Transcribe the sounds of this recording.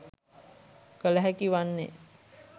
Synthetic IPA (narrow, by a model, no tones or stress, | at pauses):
kələɦækiʋanːḛ